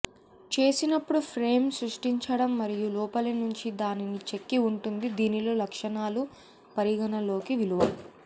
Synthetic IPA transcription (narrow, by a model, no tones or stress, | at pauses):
t͡ʃe̞ːsinɐpːuɽupʰɾe̞ːmsɾuʂʈiɲt͡ʃɐɽɐmːɐɾijulɔːpɐlɐnuɲt͡ʃid̪aːninit͡ʃe̞kːiuɳʈund̪id̪iːnilo̞ːlɐkʂɐnaːlu | pɐɾiɡɐnɐlo̞ːkiʋiluʋaːli